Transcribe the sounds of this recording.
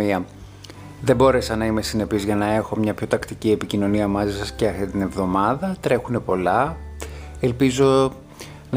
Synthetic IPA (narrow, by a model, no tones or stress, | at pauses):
iɐ | ðe̞bo̞ɾe̞sɐnɐime̞sine̞pizʝɐnɐe̞xo̞mɲɐpço̞t̪ɐkt̪icie̞picino̞niɐmɐzisɐsceɐft̪it̪ine̞vðo̞mɐðɐt̪ɾe̞xune̞po̞lɐ | e̞lpizo̞ | n